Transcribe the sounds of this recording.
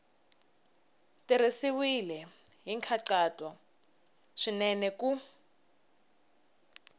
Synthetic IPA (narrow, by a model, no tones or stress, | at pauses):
tiɾisiwilɛɦiŋkʰaǁatʼɔ | ʂinɛnɛku